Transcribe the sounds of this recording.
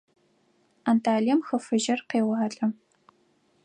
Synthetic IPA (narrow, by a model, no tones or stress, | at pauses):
antʰaːɮijɛmxɐfɨʒɐrqeːwɑːɬʼɐm